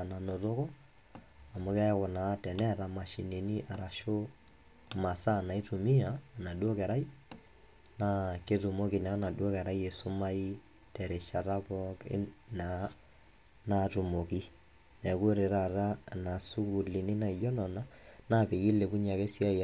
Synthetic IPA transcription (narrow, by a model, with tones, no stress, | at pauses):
na˨no˨to˦kɔ˦ | a˨mʊ˨kɛ˦ja˦kɔ˨na˨˦tɛ˨nɛ˦˨ta˨ma˨ʃi˨ni˨ni˦ʔa˨ɾa˨ʃo˦ | ma˨sa˦na˨i˦tu˨mi˦aː˨na˨dwɔ˦kɛ˨ɾa˦i˦ | na˦ke˦tu˨mo˦ki˨na˨˦na˨dwɔ˦kɛ˨ɾa˦i˦e˨sʊ˦ma˦i˦ | tɛ˨ɾe˨ʃa˨ta˦bɔ˦kɪ̰˦na˨ | na˦tu˨mo˨ki˦ | nɛ˨ku˦ɾe˨ɾa˨ta˦˨na˨su˦ku˨li˨ni˦na˨i˨jɔ˦nɔ˨na˦na˦pe˨ji˦le˨ku˦ɲa˨ke˦si˦a˦˨